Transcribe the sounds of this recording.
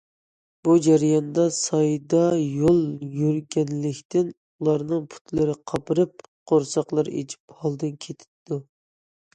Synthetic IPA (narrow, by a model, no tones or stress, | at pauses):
b̥ud͡ʒæɾjɑnd̪ɑsɑjd̪ɑjolˠjyɾɡʲɛnlɪkʲt̪ɪn | ulˠɑɾnɨŋpʰu̥t̪ʰlɪɾɪqʰɑpɨɾɨp̚qʰoɾsɑqlˠɨɾḛt͡ʃʰi̥phɑlˠd̪ɨnkʲʰet̪ʰɪ̥d̪u